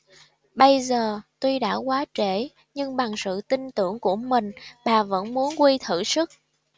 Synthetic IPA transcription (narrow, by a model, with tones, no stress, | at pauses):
ɓə˧jzəː˨˩t̪wi˧jɗa̰ː˧˥kwaː˨˦t͡ɕe˧˩ | ɲɨ˧ŋɓa˨˩ŋsɨ̰˧˨t̪i˧ŋt̪ɨ˧˩əŋku˧˩əmï˨˩ŋ̟ɓaː˨˩və̰˧˥nmu˨˦ənkwi˧t̪ʰɨ̰˧˩sɨ˦˥k̚